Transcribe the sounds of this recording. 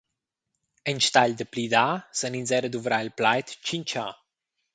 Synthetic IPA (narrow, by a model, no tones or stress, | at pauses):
ənʃt̪aʎd̪əplid̪asəninzɛɾəd̪uvɾailplajt̪t͡ʃint͡ʃa